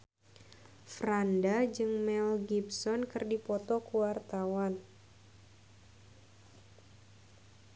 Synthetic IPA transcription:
frandad͡ʒɨŋmɛlɡipsɔnkɨrdipɔt̪ɔkuwart̪awan

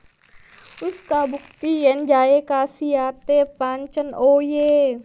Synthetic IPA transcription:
uskabuk̚t̪ijɛnd͡ʒajekasiat̪epaɲt͡ʃənoje

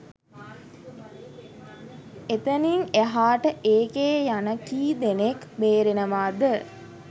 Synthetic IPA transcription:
et̪əniŋeɦaːʈəʔeːkeːjanəkiːd̪enekbeːɾenəʋaːd̪ə

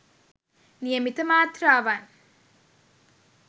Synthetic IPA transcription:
nijɐmit̪ɐmaːt̪ɾaːʋaːn

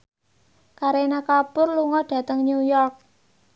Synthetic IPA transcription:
kaɾenakapʊrluŋɔɖ̥ä̤t̪əŋnujɔrk̚

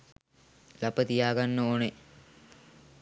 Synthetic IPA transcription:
lapət̪ijaːɡanːoːne

